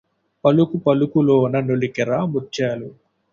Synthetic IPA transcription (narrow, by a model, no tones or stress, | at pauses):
pɐlukupɐlukuloːnɐnoɭikɛɾaːmut͡ʃːaːlu